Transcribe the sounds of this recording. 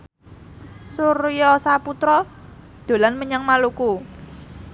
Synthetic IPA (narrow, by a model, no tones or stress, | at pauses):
surjɔsaput̪ɾɔ | d̪̥o̤lanməɲaŋmaluku